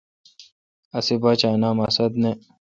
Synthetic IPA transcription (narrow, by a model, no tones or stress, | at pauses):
ɐsibaːt͡ɕaːnaːmɐsɐd̪ne